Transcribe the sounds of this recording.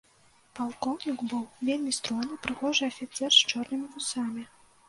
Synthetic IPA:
palˠkɔwnʲikbɨwvʲelʲmʲist̪ɾɔnɨpɾɨxɔʐɨɐfʲit̪sɛrst͡ʂɔrnɨmʲivusamʲi

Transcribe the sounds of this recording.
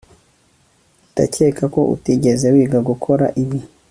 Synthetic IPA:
uta̰ceːkako̞ʔṵtiɟezewiːɡaɡukʰo̞ɾa̰ʔiβi

